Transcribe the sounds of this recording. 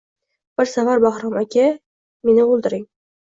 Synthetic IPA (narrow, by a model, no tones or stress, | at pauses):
b̥ɪɾsavaɾbɑhɾɒmakʲʰa | menɪolˠd̪ɪɾɪŋ